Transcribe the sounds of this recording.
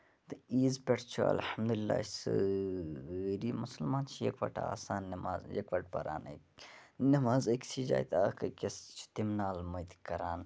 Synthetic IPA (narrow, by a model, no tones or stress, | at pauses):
t̪ɨiːzpʲeʈʰt͡ʃʰuɐ̰lhɐmd̪ulilːa̰ːsɨ | ɾiːmusɐlmaːnt͡ʃʰijɐ̰kʋɐ̰ʈʰaa̰ːsaːnːɐmaːzjɐkʋɐʈ̚pɐ̰ɾa̰ːnḛknɐmaːzɐkʲt͡ʃʰid͡ʒa̰ːjt̪aːkɐkʲɐst͡ʃʰu̥t̪imnaːlmɐjt̪ikɐɾaːn